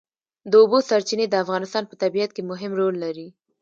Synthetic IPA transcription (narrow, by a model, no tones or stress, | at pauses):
d̪əobosaɾt͡ʃined̪əafɣɑnɪst̪ɑnpət̪abijat̪̚kemʊɦɪmɾolːaɾi